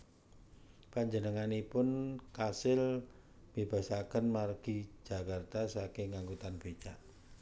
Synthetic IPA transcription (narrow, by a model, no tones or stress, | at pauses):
paɲd͡ʒənəŋanipʊnkasɪl | b̥ib̥a̤sakənmarɡ̥i̥d͡ʒ̥a̤kart̪asakɪŋːaŋkut̪anb̥et͡ʃaʔ